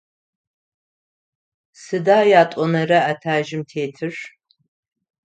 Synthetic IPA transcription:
sɨdaːjaːtʷʼɔnɐrɐatʰaːʒɪmtʰeːtʰɨʂ

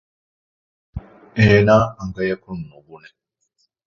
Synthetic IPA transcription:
ɛnaaŋɡajakʰɔn̩nubunɛ

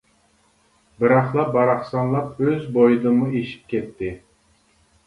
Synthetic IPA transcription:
bɪɾɑχlˠɑbɑɾɑχsɑnlˠɑpøzbojɨd̪ɨmueʃi̥p̚kʲɛt̪ʰːɪ

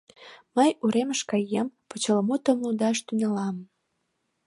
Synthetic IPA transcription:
məjuɾeməʃkɑjempot͡ɕələmut̪əmlud̪ɑʃt̪ynelɑm

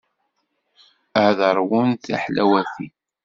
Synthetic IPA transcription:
əðəɾˤwʊnθa̰ħlæwæθi

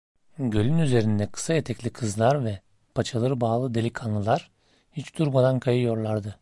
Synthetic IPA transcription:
ɟø̞lʲynyze̞ɾind̪ɛkʰɯ̥sajet̪ʰɛclʲikʰɯzlˠaɾvɛ | pʰat͡ʃʰalˠɯɾɯbaːlˠɯd̪e̞lʲicʰanlˠɯlˠaɾ̥ | hit͡ʃd̪̥uɾmad̪ankʰajɯjo̞ɾlˠaɾd̪ɯ

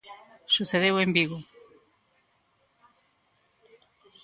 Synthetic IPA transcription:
suθeðewembiɣo

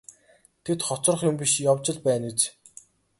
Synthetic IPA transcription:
t̪ʰet̪χɔt͡sɞ̆r̆χjʊmpʲiʃjawt͡ɕɪ̆ɮpæːnut͡s

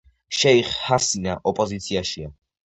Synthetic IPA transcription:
ʃɛiχhasinaʔɔpʼɔzit̪sʰiaʃia

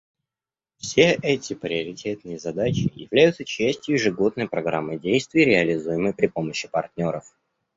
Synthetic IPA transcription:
fsʲeʔɛtʲɪpɾʲɪɐɾʲɪtʲe̞t̪nɨjəzɐd̪at͡ɕɪ̰jɪ̰vlʲæjʊt̪sət͡ɕæsʲtʲjʊjɪʐɨɡo̞d̪nəjpɾɐɡɾa̰mːəjdʲejst̪vʲɪjɾʲɪɐlʲɪzujɪməjpɾʲɪpo̞məɕːɪ̥pɐrt̪ʲnʲo̞ɾəf

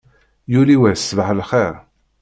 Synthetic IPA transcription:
juliwæsvəʕəlχeɾ

